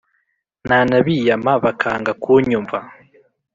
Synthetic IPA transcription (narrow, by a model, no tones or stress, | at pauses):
naːnaβiːjamaβakʰaːŋɡakuːɲumva